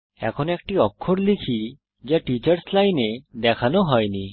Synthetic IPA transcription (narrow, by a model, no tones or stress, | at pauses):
ɛ̰kʰɔnɛkʈiɔkʰːoɽlikʰi | d͡ʒeʈit͡ʃaɾslajned̪ɛkʰanɔɦɔjni